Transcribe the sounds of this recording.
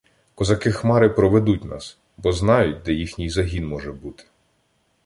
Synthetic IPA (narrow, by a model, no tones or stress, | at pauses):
kɔzɐkɪxmɑɾɪpɾɔʋed̪ut̚ʲnɑ̰s | bɔznɑjʊt̚ʲd̪ɛjixnʲijzɐɦʲinmɔʒɛbut̪ɪ̥